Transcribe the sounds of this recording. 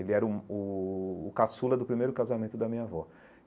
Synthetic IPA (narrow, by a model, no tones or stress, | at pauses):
elɪɛɾɐʊʊː | kasulɐd̪ʊpɾimejɾʊkazamẽnt̪ʊd̪ɐmĩɲavɔ